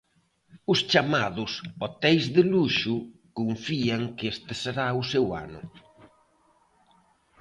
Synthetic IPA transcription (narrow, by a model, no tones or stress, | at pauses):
ʊst͡ʃamaðʊsɔt̪ɛjzðɪluʃukuɱfiaŋkɪest̪ɪseɾaʊsewa̰nʊ̰